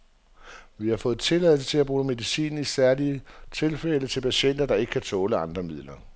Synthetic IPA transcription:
ʋihɑ̈fɔ̽ːð̩ˠt͡sʰe̝læð̰ˠs̬ət͡sʰe̝læb̥ʁuːme̝ðˠisḭːn̩isæɐliət͡sʰe̝lfelət͡sʰe̝lpʰæɕen̰d̥ɐd̥ɑ̈e̝ɡ̥ə̥kʰæt͡sʰɔ̽ːləɑ̈nd̥ʁɐmið̰ˠlɐ

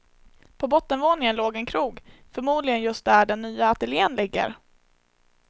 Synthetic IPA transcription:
pʰɔbɔt̪ːənvoːnɪŋənloːɡɛnkʰɾuːɡfœɾmuːd̪lɪɡənjɵst̪̚d̪æɖɛnːyːaat̪ɛljeːənlɪɡːə̰ɾ

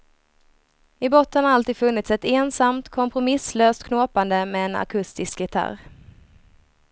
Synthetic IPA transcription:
ɪbɔt̪ːənhaɾalt̪iːd̪fɵnːɪt̪sɛt̪eːnsamt̪kʰɔmpɾʊmɪsløːst̪kʰnoːpand̪əmɛːna̰kʰɵst̪ɪskɡɪt̪ʰa̰ɾ

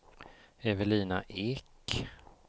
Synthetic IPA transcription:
ɛvəliːnaʔɪkː

